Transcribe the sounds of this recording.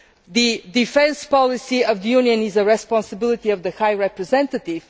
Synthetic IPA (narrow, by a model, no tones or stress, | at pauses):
d̪id̪ifɛ̃nspɔlisiəvd̪əjuniə̃nizəɹɛspɔ̃nsəbilˠit̪iɔvd̪əxajɹɛpɾɛzɛ̃nt̪ət̪iv̥